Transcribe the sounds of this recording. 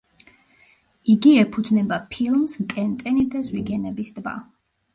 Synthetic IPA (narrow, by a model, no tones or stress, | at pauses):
iɡiɛpʰud̪znɛbapʰilˠmst̪ʼɛnt̪ʼɛnid̪azwiɡɛnɛbisd̪ba̰